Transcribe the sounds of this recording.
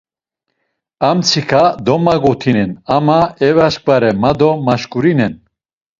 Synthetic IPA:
amt͡sʰikʰad̪ɔmaɡɔt̪ʰinɛnamaɛvaʃkʼvaɾɛmad̪ɔmaʃkʼuɾinɛn

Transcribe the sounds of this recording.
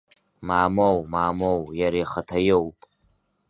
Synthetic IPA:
maːmowmaːmowjaɾiχatʰajowpʼ

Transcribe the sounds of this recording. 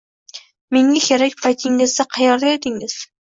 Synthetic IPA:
meŋʲakʲʰeɾakʲpʰajt̪ʰɪŋɪzd̪aqʰɑjɒɾd̪ajed̪ɪŋɪz̥

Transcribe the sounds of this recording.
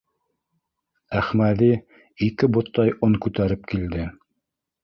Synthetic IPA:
æχmæðiː | kɘbŏt̪ːɑjʔoŋkʉt̪æɾɘp̚kild̪ɘ

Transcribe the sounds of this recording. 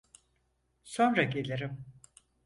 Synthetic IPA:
so̞nɾaɟe̞lʲeɾim

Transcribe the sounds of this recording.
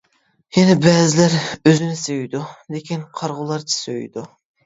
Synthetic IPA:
jɛnɛbɛːzɪlæɾøzɪnɪsejd̪ulekʲinqʰɑɾʁʊlˠɑɾt͡ʃʰi̥søj̰d̪u

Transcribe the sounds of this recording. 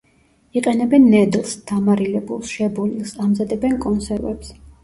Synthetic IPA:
iqʼɛnɛbɛnːɛd̪lˠsd̪̥amaɾilɛbulˠsʃɛbɔlilˠsamzad̪ɛbɛnkʼɔnsɛɾvɛ̰ps

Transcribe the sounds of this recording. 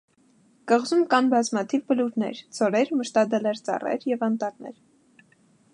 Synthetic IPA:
kəʁzumkɑnbɑzmɑt̪ʰivbəluɾnɛ̰ɾd͡zɔɾɛɾməʃt̪ɑd̪ɛlɛɾt͡sɑ̰rɛ̰ɾjɛvɑnt̪ɑɾnɛ̰ɾ

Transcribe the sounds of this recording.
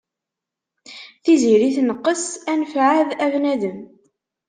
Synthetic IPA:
θiziɾiθnəqːəsænfʕaðævnæðəm

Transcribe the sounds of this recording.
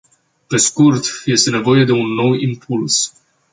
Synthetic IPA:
pe̞skurt̪je̞st̪e̞nevo̞je̞d̪e̞unːo̞wimpʰuls

